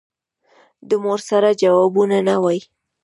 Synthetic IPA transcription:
d̪əmoɾsaɾad͡ʒawɑbunanawaj

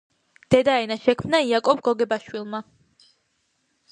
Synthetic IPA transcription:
d̪̥ɛd̪aɛnaʃɛkʰmnaiakʼɔbɡɔɡɛbaʃwilˠma

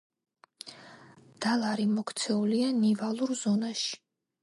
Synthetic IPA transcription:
d̪̥alˠaɾimɔkʰt̪sʰɛulianivalˠuɾzɔnaʃi̥

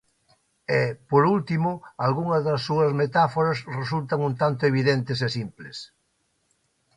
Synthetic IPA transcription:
epoɾult̪imʊalɣuŋɐzðɐsːuɐzmet̪afoɾɐsres̬ult̪ɐŋunt̪ant̪ʊeβiðent̪ɪsesimples

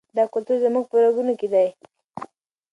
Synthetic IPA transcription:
d̪ɑkʊlt̪uɾzəmuɡ̚pəɾaɡunoked̪aj

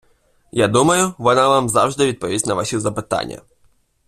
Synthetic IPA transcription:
jad̪umɐjʊʋɔnaʋamzawʐd̪ɪʋʲid̪̚pɔʋʲisʲtʲnɐʋasʲizɐpɪt̪a̰nʲːɐ̰

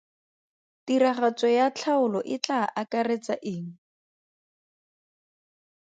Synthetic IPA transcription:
tiraχat͡sɔjat͡ɬʰaʊlɔʔɪt͡ɬaʔakaret͡saʔɪːŋ̩

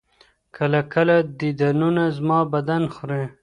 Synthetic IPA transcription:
kʰəlakəlad̪id̪anunazmɑbad̪anxɾe

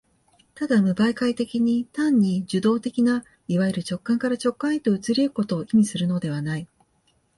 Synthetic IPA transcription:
t̪ad̪amɯ̟baikait̪e̞kʲiɲ̟it̪ãɲ̟ːiʑɨd̪o̞ːt̪e̞kʲina | iβaiɾɯ̟t͡ɕo̞kːãŋkaɾat͡ɕo̞kːãet̪o̞ɯ̟t͡sɨɾʲieɯ̟ko̞t̪o̞ːimʲisɨɾɯ̟no̞d̪e̞β̞anai

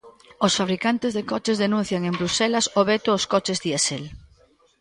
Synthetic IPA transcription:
osfaβɾikant̪ezðekɔt͡ʃezðenũn̟θjaŋembɾuselasoβet̪oːskɔt͡ʃezðiesel

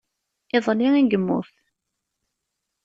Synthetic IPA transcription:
ɪðˤliiɡəmːʊ̰θ

